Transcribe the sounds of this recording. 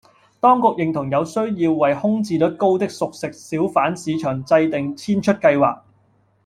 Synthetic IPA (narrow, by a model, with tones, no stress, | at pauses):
t̪ɔː˥ŋkʊ˨k̚jɪ˨˩ŋt̪ʰʊ˨˩ŋjɐ˨˧wsɵ˥ɥjiː˧wːɐ˨jhʊ˥ŋt͡siː˧lɵ˨˥t̚ko˥wt̪ɪ˥k̚sʊ˨k̚sɪ˨k̚siː˨˥wfaː˨˥nsiː˨˧t͡ʃʰœː˨˩ŋt͡sɐ˧jt̪ɪ˨ŋt͡sʰiː˥nt͡ʃʰɵ˥t̚kɐ˧jwa̰ː˨k̚